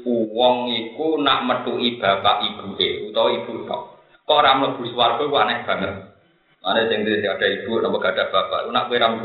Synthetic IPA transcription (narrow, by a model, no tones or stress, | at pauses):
uwɔŋikunaʔmət̪uʔib̥a̤paʔib̥uʔeut̪ɔwɔib̥uʔt̪a̰ | kɔʔɾamləb̥ṳswarkɔkuanɛhb̥a̤nə | anɛsɪŋt̪iiskad̥a̤ib̥ṳʔnɔmpɔɡ̥ad̥a̤b̥a̤pa̰ʔkunaʔkueɾamb